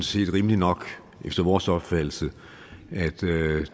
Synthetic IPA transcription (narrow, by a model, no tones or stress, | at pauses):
nse̝̰ːd̥ʁiməlinɒ̽ɡ̥ | efd̥ɐʋɒːsɒ̽b̥fæll̩sə | æd̥